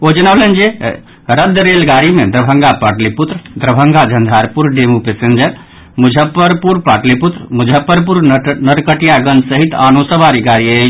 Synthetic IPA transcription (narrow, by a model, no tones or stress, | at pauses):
od͡ʒənawlənd͡ʒe | ɾəd̪ɾelɡaɾimed̪ɾəbʱəŋɡapaʈliput̪ɾəd̪ɾəbʱəŋɡad͡ʒʱənd̪ʱaɾpuɾɖemupesend͡ʒəɾ | mud͡ʒʱəpːəɾpuɾpaʈliput̪ɾmud͡ʒʱəpːəɾpuɾnəɾkəʈijaɡənd͡ʒsəɦit̪a̰nosəbaɾiɡaɾiə